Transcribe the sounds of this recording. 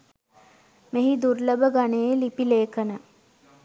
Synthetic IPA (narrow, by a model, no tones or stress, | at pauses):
meɦid̪urləbəɡanelipileːkənə